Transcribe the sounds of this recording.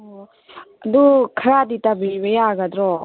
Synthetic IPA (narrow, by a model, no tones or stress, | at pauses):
ad̪ukʰəɾad̪itabibejaɡad̪ɾɔ